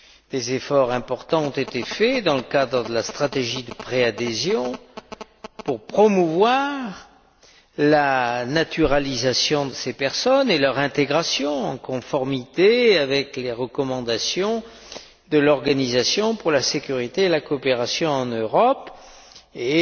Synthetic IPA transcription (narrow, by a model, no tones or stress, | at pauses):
d̪̥ezefɔʁɛ̃pɔʁt̪ɑ̃ɔ̃t̪et̪efɛd̪ɑ̃ləkad̪ʁəd̪əlast̪χat̪eʒid̪əpχead̪ezjɔ̃ | puʁpχɔmuvwaʁ | lanat̪yʁalizasjɔ̃d̪əsepɛʁsɔnelœʁɛ̃t̪eɡʁasjɔ̃ɑ̃kɔ̃fɔʁmit̪eavɛkleʁəkɔmɑ̃d̪asjɔ̃ | d̪əlɔʁɡanizasjɔ̃puʁlasekʲyʁit̪eelakɔpeʁasjɔ̃ɑ̃nøʁɔp | e